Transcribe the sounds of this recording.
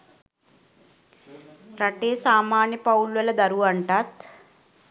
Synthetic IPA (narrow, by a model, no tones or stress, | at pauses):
ɾɐʈeːsaːmaːnjɐpɐwlwɐlɐd̪ɐɾuʋɐɳʈaːt̪